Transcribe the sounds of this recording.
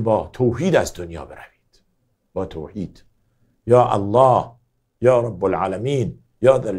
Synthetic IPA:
bɒːt̪ʰoːɦiːd̪æzd̪onjɒ̰ːbeɾæviːd̪̥ | b̥ɒːt̪ʰoːhiːd̪̥ | jɒːʔa̰lːɑːh | jɒːɾˤɑbːolʕaːlæmiːn | jɒːd̪æl

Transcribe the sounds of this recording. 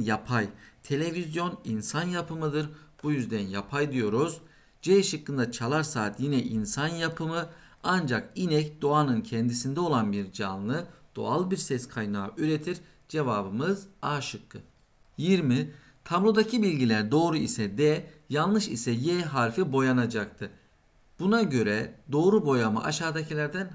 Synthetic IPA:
japʰajt̪ʰe̞lʲe̞vizjo̞ninsanjapʰɯmɯd̪ɯɾb̥ujyzd̪ænjapʰajd̪ijo̞ɾuz | d͡ʒeʃɯkːɯnd̪at͡ʃʰalˠaɾsaːt̪jinɛʔinsanjapʰɯmɯ | and͡ʒakinɛcd̪o̞anɯncʰɛnd̪isind̪ɛo̞lˠanbiɾd͡ʒanlˠɯd̪̥o̞̰alˠbiɾsɛskʰajnaːʔyɾet̪ʰiɾ | d͡ʒe̞vaːbɯmɯzaːʃɯkːɯ | jiɾmi | t̪ʰablˠo̞d̪acʰibilʲɟilʲæɾd̪o̞ːɾuisɛd̪ɛjalˠnˠɯʃisɛjɛɦaɾfibo̞janad͡ʒak̚t̪ʰɯ | b̥unaɟø̞ɾɛd̪o̞ːɾubo̞jama̰ʔaʃaːd̪acʰilʲæɾd̪æn

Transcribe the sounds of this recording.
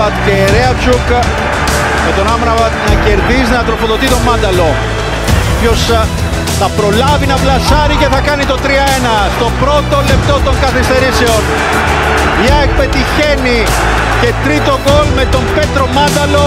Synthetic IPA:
ɐt̪ceɾeɐt͡ʃuk | me̞t̪o̞nɐmɾɐvɐt̪nɐce̞ɾðizinɐt̪ɾo̞foðo̞t̪it̪o̞mɐnd̪ɐlo̞ | pço̞s | θɐpɾo̞lɐvinɐplɐsɐɾice̞θɐkɐnit̪o̞t̪ɾiɐenɐst̪o̞pɾo̞t̪o̞le̞p̚t̪o̞t̪oŋɡɐθist̪e̞ɾiseo̞n | ɐek̚pe̞t̪içeni | ce̞t̪ɾit̪o̞ɡo̞lme̞t̪o̞mbe̞t̪ɾo̞mɐnd̪ɐlo̞

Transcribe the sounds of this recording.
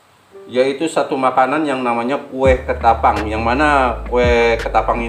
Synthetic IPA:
jait̪usat̪umakananjaŋnamaɲakuɛhkət̪apaŋjaŋmanakuɛkət̪apaŋi

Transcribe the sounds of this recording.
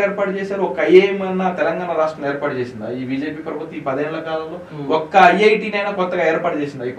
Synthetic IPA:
eɛːɾpaːʈut͡ʃeːsaːɾuɔkɐɐjemɐnːɐt̪ɛlɐŋɡaːnɐɾaːʂʈɾɐmeɛːɾpaːʈut͡ʃeːsind̪a̰iːbʱiːd͡ʒeːpiːpɾɐbʱut̪ːiːpɐd̪ɐɦeːnulɐkaːlɐmloː | ɔkːɐːjɐjʈiːnɐjnaːkɔt̪ːɐɡaːɛːɾpaːʈut͡ʃeːsind̪aːipː

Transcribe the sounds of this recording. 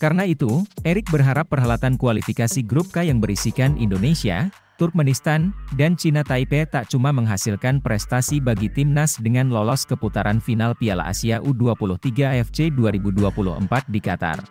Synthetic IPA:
kaɾənait̪uʔeɾɪk̚bərɦaɾapːərɦalat̪ankualifikasiɡɾup̚kajaŋbərisikanʔḭndonesia̰ | t̪urk̚mɛnist̪andant͡ʃinat̪aipet̪aʔt͡ʃumaməŋɦasilkanpɾɛst̪asibaɡit̪imnasdəŋanlɔlɔskəput̪aɾʔanfinalpiala̰ʔa̰siaʔuduapulʊht̪iɡaɛfd͡ʒeduaɾibuduapulʊ̰hə̰mpat̪̚dikat̪a̰r

